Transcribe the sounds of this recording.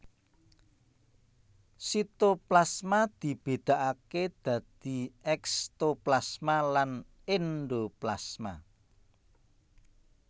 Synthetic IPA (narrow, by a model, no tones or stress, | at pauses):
sit̪oplasmad̪̥i̤b̥e̤d̪̥a̤ʔaked̪̥ä̤d̪̥i̤ɛkst̪oplasmalan | enɖoplasma̰